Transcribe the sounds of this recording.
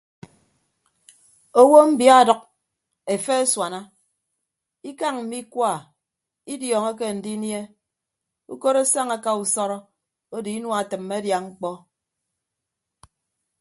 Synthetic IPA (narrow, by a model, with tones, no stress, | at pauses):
o˦wo˦m̩˦bja˦˨dʌ˨k̚ | e˨fe˦e˦swa˨na˦ | i˦ka˦ŋm̩˨mi˦kwa˦˨ | i˦djɔ˨ŋe˦k̬e˦n̩˨di˦nje˦ | ṵ˦ko˦ɾo˦sa˦ŋa˨ka˨u˨sɔ˦ɾɔ˦ | o˦di˨i˦nwa˨tɨ˨mːe˦dja˨ŋ͡m̩˦k͡pɔ˦